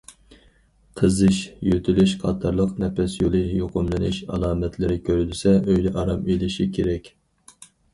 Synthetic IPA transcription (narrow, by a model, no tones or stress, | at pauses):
qʰəzɨʃjøt̪ʰylyʃqʰɑːt̪ʰɑɾlˠəqnɛpɛsjolˠɨjoqʊmlˠɨnɨʃɑ̰lˠɑːmɛt̪ʰlɪɾɪkʲʰøɾylysɛøjlɛʔɑɾɑmilɪʃikʲʰeɾɛkʲ